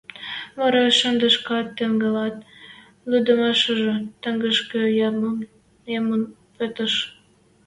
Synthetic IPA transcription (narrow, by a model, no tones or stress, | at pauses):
βɑɾɑʃənd̪ə̆ʃkɑt̪ːəŋɡəlɑt̪̚ | lyd̪əmɑʃəʒə̆t̪ə̆ŋɡəʃkəjɑməm | emən | pet̪əʃ